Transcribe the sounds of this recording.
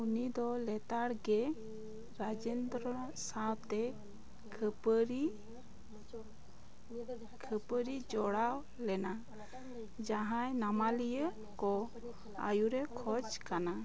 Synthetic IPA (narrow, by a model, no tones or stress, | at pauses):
unid̪ɔlɛt̪aɽɡɛ | ɾad͡ʒend̪ɾɔsawt̪ɛ | kʰəpəɾi | kʰəpəɾid͡ʒɔɽaw | lɛna | d͡ʒaɦãjnamalijə | kɔ | a̰juɾɛkʰɔd͡ʒkana